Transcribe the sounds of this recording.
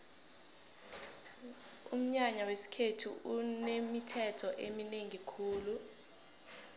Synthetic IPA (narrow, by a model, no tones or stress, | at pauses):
um̩ɲaɲawesi̥kʰetʰṵunemitʰɛtʰɔʔemineŋikʰuːlu